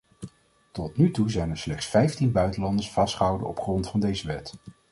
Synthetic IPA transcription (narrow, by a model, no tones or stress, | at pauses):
tɔtnytuzɛjnəɹslɛχtsfɛjftinbœɥtəlɑndəsfɑstχəɦʌwdə̰ɔ̰pχrɔntfɑndejzəʋɛt